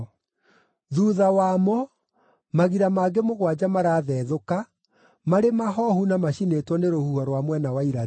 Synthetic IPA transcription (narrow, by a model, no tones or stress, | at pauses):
ðuːðawaːmɔ | maɣiɾamaɡemoɣwad͡ʑamaɾaːðɛðoka | maɾemaɦɔhunamaɕinetwɔneɾohuɔɾwamwɛnawaiɾa